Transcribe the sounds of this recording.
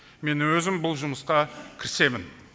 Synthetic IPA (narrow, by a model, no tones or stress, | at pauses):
me̞nwɵzɪmbʊlˠʒʊməsqɑkʲʰɪɾɪ̥se̞mɪn